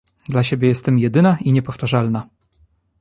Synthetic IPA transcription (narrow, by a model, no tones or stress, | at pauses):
d̪laɕebʲjɛjɛst̪ɛmjɛd̪ɘnaiɲɛpɔft̪aʐalna